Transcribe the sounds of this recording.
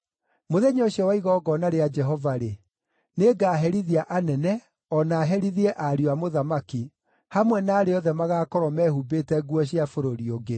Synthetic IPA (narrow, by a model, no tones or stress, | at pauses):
moðeɲoɕjɔwaiɣɔɡɔnaɾead͡ʒɛɦɔvaɾe | neɡaːɦɛɾiðiaʔanɛnɛ | ɔnaːɦɛɾiðiɛʔaɾiwamoðamaki | hamwɛnaːɾeɔðɛmaɣaːkɔɾɔmɛhubetɛɡwɔɕiafoɾoɾioɡe